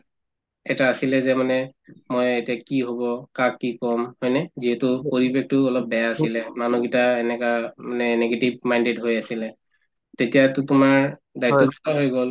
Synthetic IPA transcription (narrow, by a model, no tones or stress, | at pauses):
ɛtaːsilɛzɛmanɛmojetijakiɦobɔkakːikɔmhɔjnɛziɦɛtʊpoɹibek̚ʰtʊɔlɔp̚bɛjaːsilɛmanuɡitaɛnɛkamanɛneɡetib̚majndetɦojasilɛ | tetijatʊtʊmaɹdajt̪ːɔbitaɦojɡol